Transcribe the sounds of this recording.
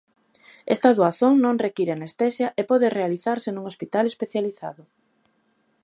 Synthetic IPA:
ɛst̪aðoaθoŋnõŋrekiɾeanest̪ɛsjaʔepɔðerealiθaɾsenuŋospit̪alespeθjaliθa̰ðʊ

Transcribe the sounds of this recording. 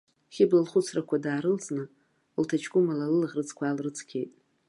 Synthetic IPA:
χʲɪblalχʊt͡sʰrakʷʰadaːɾɨlt͡sʰʼnɨ | ltʰat͡ʃʰɡʷʼʊmalalɨlʁʲrɨt͡sʰʼkʷʰaalrɨt͡sʰkʲʰe̞jtʼ

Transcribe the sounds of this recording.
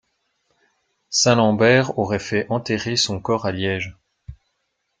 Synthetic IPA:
sɛ̃lɑ̃bɛʁɔʁɛfɛʔɑ̃t̪eʁesɔ̃kɔʁaljɛʒ

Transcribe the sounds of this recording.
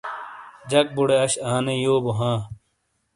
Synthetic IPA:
d͡ʑɐk̚buɽeɐɕaːnejoːboɦãː

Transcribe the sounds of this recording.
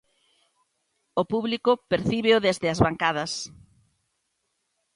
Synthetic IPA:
opuβlikʊpeɾθiβeoðezðɪɐzβaŋkaðɐs

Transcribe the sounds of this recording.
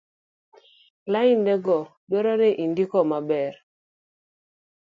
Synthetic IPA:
laindɛɡɔdwɔɾɔneʔindikɔmabɛr

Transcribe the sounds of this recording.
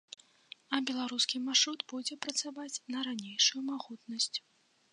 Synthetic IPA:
ɐbʲɛlˠaɾuskʲimarʂɾud̪bud͡zʲɛpɾɐt̪savat͡sʲnɐɾanʲejʂujumaɣut̪nɐsʲt͡sʲ

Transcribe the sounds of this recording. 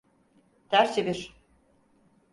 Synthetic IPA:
t̪æɾt͡ʃʰebiɾ

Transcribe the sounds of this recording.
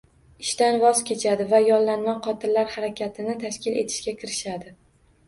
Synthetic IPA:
ɪʃt̪anvɒzkʲʰe̞t͡ʃʰad̪ɪvajɒlːanmaqʰɒt̪ʰɪnlaɾhaɾakʲʰat̪ʰɪnɪt̪ʰaʃkʲɪle̞̰t̪ʰɪ̥ʃkʲakʲʰɪɾɪʃad̪ɪ

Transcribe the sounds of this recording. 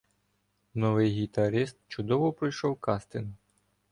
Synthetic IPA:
nɔʋɪjɦʲit̪ɐɾɪst̪̚t͡ʃʊd̪ɔʋɔpɾɪjʃɔwkɑst̪ɪn

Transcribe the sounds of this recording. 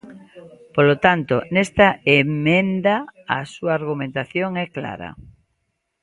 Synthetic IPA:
polot̪ant̪onɛst̪ɐemẽnd̪a̰ːsuaːɾɣumẽnt̪aθjoŋɛkla̰ɾɐ̰

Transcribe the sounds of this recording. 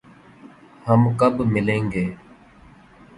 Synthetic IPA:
həmkəbmɪlẽːŋɡeː

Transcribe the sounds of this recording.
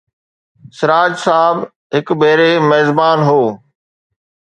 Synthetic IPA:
sɪɾaːd͡ʒsaːb | ɦɪkbeːɾeːmeːzbaːnɦoː

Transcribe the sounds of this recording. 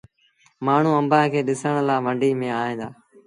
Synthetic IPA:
maːɳ̤ũːəmbãːkʰeːɗɪsəɳ̃əlaːʋəɳɖʱiːmẽːaːɦẽːd̪aː

